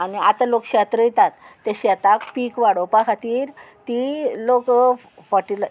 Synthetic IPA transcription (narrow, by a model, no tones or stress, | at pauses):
aniat̪alokɕat̪ɾəjt̪at̪ːeɕat̪akpikʋaɽopakʰat̪iːɾt̪ilok | fɔʈil